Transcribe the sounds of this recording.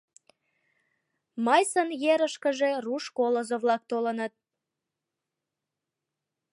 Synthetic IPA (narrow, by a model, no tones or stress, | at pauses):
mɑjsənjeɾəʃkəʒeruʃkolozoβlɑk̚t̪olənət̪̚